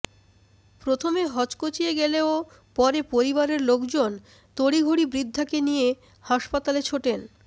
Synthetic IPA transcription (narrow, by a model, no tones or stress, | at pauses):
pɾot̪ʰomeɦɔt͡ɕkot͡ɕieɡeleo | pɔɾepoɾiβaɾeɾlokd͡ʑon | t̪oɽiɡʱoɽibɾid̪ʱːakenije | haʃpat̪alet͡ɕʰoʈen